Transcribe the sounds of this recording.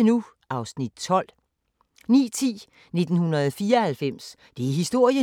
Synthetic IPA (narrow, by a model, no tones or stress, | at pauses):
nu | ʔɑ̈ʊsnid̥̚t͡sʰɒ̽l̰ | nḭːt͡sʰḭː | ne̝d̥n̩hunɐð̩ˠɒfiːɐɒhælfem̰s | d̥e̝æɦisd̥o̝ɐ̰jə